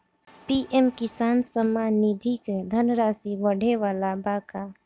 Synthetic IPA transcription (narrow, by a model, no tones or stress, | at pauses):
piːʔɛmkɪsaːnsəmːaːnːid̪ʱiked̪ʱənɾaːsibəɽ̤ʱeʋaːlabaːka